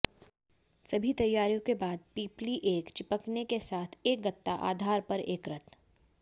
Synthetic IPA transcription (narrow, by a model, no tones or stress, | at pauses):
sɐbʱit̪ɐjːaːɾijõkebaːd̪̚piːpliʔeːkt͡ʃɪpəknekesaːt̪ʰeːk̚ɡɐt̪ːaʔa̰ːd̪ʱaːɾpɐɾeːkɾɐt̪